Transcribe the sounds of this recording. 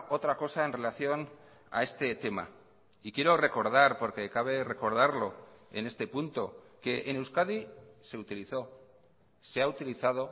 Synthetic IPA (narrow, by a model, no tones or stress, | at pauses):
ʔo̞t̪ɾako̞sae̞nre̞laθjo̞n | a̰e̞st̪e̞t̪e̞ma̰ | ikje̞ɾo̞re̞ko̞ɾð̞aɾpo̞ɾke̞kaβ̞e̞re̞ko̞ɾð̞aɾlo̞e̞ne̞st̪e̞punt̪o̞ke̞ʔːnewskaðise̞ut̪iliθo̞ | se̞aut̪iliθað̞o̞